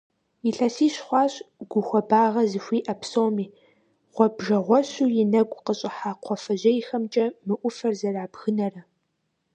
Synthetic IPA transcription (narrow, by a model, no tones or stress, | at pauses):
iɬɐsiːɕχʷɑːɕʼɡ̥ʷʊxʷɔbaːʁɐzɨxʷiːʔɐpʰsowmiː | ʁ̥ʷɔbʒɐʁʷɔɕuːjɪnɐɡʷʼqəɕʼɪħaːqʷʰɔfɐʑɐjɪxɐmt͡ʃʼɐmɨʔʷʊfɐrzɐraːbɣɨnɐrɐ